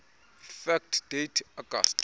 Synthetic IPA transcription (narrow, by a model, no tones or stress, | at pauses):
fɛk̚tʰd̥ejtʰaɡa̰st